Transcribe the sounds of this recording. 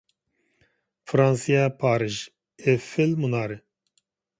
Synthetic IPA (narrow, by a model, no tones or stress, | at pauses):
fɾãːnsijapʰaːɾɨʒ | efɪlmunaːɾe